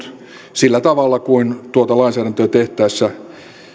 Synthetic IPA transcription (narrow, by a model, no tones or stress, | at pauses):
t̪ | silːæt̪ɑʋɑlːˑɑkuint̪uot̪ɑlɑinsæːɾænt̪øːt̪eht̪æisːæ